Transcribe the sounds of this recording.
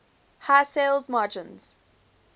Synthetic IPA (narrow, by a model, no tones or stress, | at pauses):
haselˠzmaːd͡ʒə̃nz̥